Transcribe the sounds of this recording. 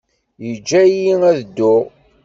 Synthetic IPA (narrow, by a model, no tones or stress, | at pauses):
jəd͡ʒːæjiŋæðd̪ːʊʁ